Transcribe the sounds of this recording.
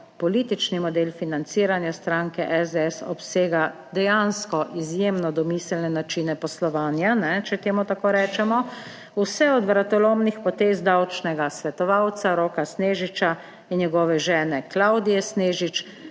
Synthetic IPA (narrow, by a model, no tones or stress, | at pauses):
pɔliːt̪it͡ʃnimɔd̪eːlfinant̪siːɾanjast̪ɾaːŋkɛʔɛzd̪ɛɛsɔ̰pseːɡa | d̪ɛjanskɔʔizjeːmnɔd̪ɔmiːslnɛnat͡ʃiːnɛpɔslɔʋaːnjanɛt͡ʃɛt̪eːmut̪akoːɾɛːt͡ʃɛmɔ | usɛɔd̪ʋɾat̪ɔloːmnixpɔt̪eːzd̪awt͡ʃnɛɡasʋɛt̪ɔʋawt̪saɾoːkasneːʒit͡ʃa | injɛɡɔːʋɛʒɛːnɛklawd̪ijɛsneːʒit͡ʃ